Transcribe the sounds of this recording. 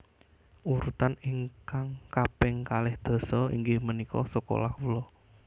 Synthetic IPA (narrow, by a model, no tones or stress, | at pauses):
uɾut̪aniŋkaŋkapɪŋkalɪhd̪̥o̤sɔḭŋɡɪhmənikɔ̰səko̰lakulɔ